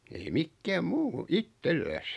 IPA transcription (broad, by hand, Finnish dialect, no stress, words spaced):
ei mikːæːm muː itːelːæs